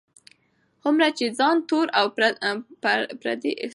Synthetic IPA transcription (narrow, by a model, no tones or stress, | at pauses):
hʊmɾat͡ʃed͡zɑnt̪oɾaw | pɾa̰d̪iʔɪ̰